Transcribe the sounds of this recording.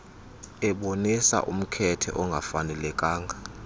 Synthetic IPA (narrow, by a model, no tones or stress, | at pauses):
ɛɓonisa̰ʔum̩kʰɛtʰɛ̰ʔɔŋɡʱafanɛlɛkʼaːŋɡʱa